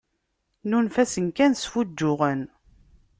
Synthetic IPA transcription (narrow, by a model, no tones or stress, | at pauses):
nunfæsənkænsfud͡ʒːʊʁən